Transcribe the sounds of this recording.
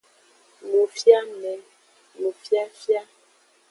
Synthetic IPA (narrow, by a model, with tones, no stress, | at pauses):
mo˨fja˦mɛ˨ | mo˨fja˦fja˦